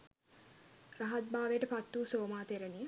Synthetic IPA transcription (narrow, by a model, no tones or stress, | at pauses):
raɦat̪̚baːʋəjəʈəpat̪ːuːsoːmaːt̪eɾəni